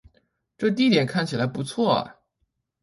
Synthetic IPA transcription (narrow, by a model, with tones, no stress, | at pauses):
ʈ͡ʂɤ˥˧t̪̬i˥˩t̪jɛ˨˩nkʰa˥˩nt͡ɕʰi˨˩la˧˥ɪpu˧˥t͡sʰwɔ̰˥˩˨